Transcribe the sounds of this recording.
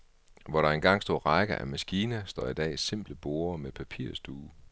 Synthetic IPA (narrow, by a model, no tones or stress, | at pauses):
ʋɒɾɑ̈e̝nɡ̥ɑ̈ŋ̰sd̥o̝̰ːʁɑ̈ɪɡ̥ɐʔæmæsɡ̥iːnəsd̥ɒ̰ːid̥ɛ̰ːse̝m̰b̥ləb̥o̝ːɐmepʰæpʰiɐ̰sd̥uː